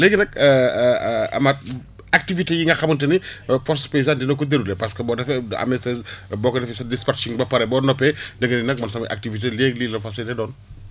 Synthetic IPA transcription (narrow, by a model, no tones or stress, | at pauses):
leɡɐnɐkː | ɐ̰mɐt̚ | ak̚tivitijiŋɡɐxɐmunt̬ɐnifɔɾspes̬andinɐkːudeɾulepɐskɐbɔːdɐfɛɐ̰mesɛsbɔːkɐdɐfɛsɐdispɐɾt͡ʃiŋbɐpɐɾɛbɔːnɔpɛdɐŋɡɐninɐk̚mɐnsɐmɐjʔa̰k̚tivit̬ileːɡlilɐfɐsɛtɛdɔːn